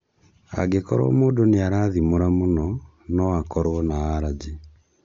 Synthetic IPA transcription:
a̰ɡekɔɾɔ̰moːdoneaɾaðimoɾamonɔ | nɔakɔɾwɔnaaɾad͡ʑe

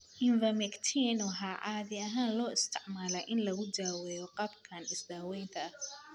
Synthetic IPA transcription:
ʔɪnvɐmɛkt̪ʰinɔɦaːʕɑːðɪɐɦaːnlɔːɪst̪ʰɪʕmaːlɐʔɪnlɐɣʊd͡ʒaːwɛːjɔqɑːbkʰanɪsd̪aːwɛjnt̪ʰɐɐh

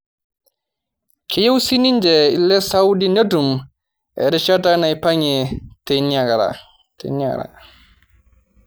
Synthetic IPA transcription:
kʰejewsiniɲd͡ʒɛilːɛsawdinetum | ʔɛ̰ɾit͡ʃatanajpaɲɛtenaɡɾa̰ | tɛ̰naɡɾa̰

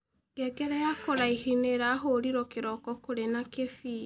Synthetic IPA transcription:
ŋɡɛɡɛɾɛjakoɾaihineɾaɦoɾiɾɔkeɾɔkɔkoɾenakefi

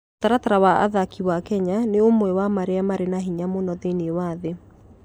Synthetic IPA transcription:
otaɾataɾawaʔa̰ðakiwakɛɲaneomwɛwamaɾeamaɾenaɦiɲamonɔðenewaðe

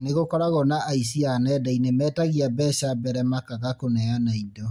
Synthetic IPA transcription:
neɣokɔɾaɣɔnaʔaisianɛdainemɛːtaɣiabɛɕabɛɾɛmakaɣakonɛanaidɔ

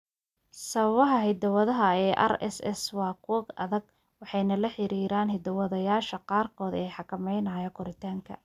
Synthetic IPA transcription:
sɐβɐβɐɦɐɦɪd̪ɐwɐðɐɦɐɛːʔɐ̰ɾɛ̰sɛ̰swɑːkʰuːɡɐ̰ðɐɡ̚ | wɑħɑjnɐlɐħɪɾiːɾaːnɦɪd̪ɐwɐðɐjaːʃɐqɑːrkʰɔːd̪ɛːjħɑkʰɐmɛjnaːjɐkʰʊɾɪt̪ʰaːŋkʰɐ̰

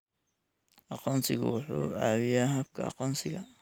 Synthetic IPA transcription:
ʔɑqɔːnsɪɣʊ̰wʊħṵːa̰ʕwɪjaːɦɐb̚kʰɐ̰ɑ̰qɔnsɪɣɐ

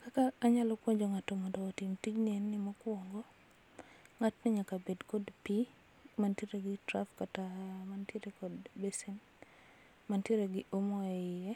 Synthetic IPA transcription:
kakaːɲalɔkwoɲd͡ʒoŋatomɔdɔːtimtid͡ʒnɪɛnːɪmɔkwɔŋɡɔ | ŋatnɪɲakabedkɔdpi | manteɾeɡɪtɾafkatamantjeɾekɔdbesɛn | manteɾeɡɪʔomɔɛɪɛ

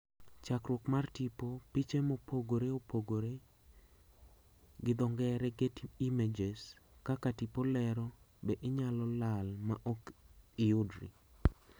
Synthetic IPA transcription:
t͡ʃakɾwokmartipopit͡ʃemopʰoɡoɾeopoɡoɾe | ɡɪd̪ɔŋɡɛɾɛɡetimed͡ʒeskakatipolɛɾɔ | bɛʔɪɲalɔlalma̰ʔokɪʊdɾḭ

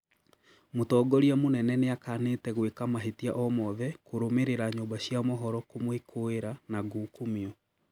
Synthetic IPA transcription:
motɔːɡɔɾiamonɛnɛneakaneːtɛɣwekamaɦetiaʔɔmɔðɛkoɾomeɾeɾaɲoːmbaɕjamɔɦɔɾɔkomwekʰoeɾanaɡoːkomiɔ

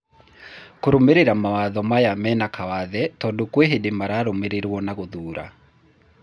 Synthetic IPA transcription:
koɾomeɾeɾamawaðɔmajamɛnakawaðɛtɔndokweɦedemaɾaɾomeɾeɾwɔnaɣoðuːɾa̰

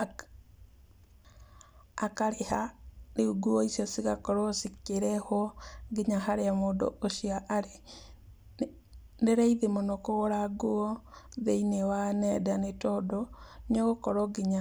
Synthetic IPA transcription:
akaɾehaneuɡuɔisjɔsiɣakɔɾɔsikeɾɛhɔɡeɲaɦaɾeamoːdo̰ʔoʃiaʔaɾe | neɾaiðemonɔkoɣoɾaɡoɔðeinewanɛdanetɔːdɔnɔɣokɔɾɔɡeɲa

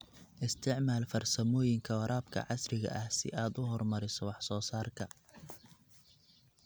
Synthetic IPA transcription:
ʔɪst̪ʰɪʕmaːlfɐrsɐmɔːjɪŋkʰɐwɑɾʔaːbkʰɐ̰ʕɑsrɪɣɐ̰ʔɐhsɪ̰ʔaːd̪ʊɦɔrmɐɾɪsɔwɑħsɔːsaːrkʰɐ

